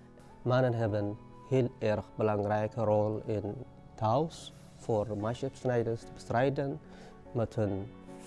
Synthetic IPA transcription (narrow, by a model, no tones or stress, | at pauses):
manənɦɛbən | heːlɛrxbəlaŋrɛjkərolɪn | taws | foːrmaʃəpsnɛjdəstəbə̥strɛjdən | mɛtɦɵn